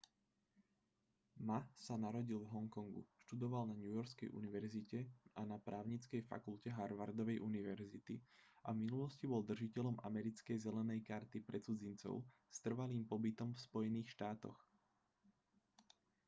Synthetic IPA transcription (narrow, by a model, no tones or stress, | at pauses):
masanaɾɔɟilvɦɔŋkɔŋɡṵʃt̪ud̪ɔʋalnaɲujɔɾskɛjʔṵniʋɛɾzicɛʔanapɾaːʊɲit͡skɛjfa̰kulcɛɦaɾʋaɾd̪ɔʋɛjʔuniʋɛɾzit̪iʔavminulɔscibɔld̪r̩ʒicɛʎɔmʔa̰mɛɾit͡skɛjzɛlɛnɛjkaɾt̪ipɾɛt͡sud͡zint͡sɔ̰ʊst̪r̩ʋaliːmpɔbit̪ɔmfspɔjɛniːxʃt̪aːt̪ɔ̰x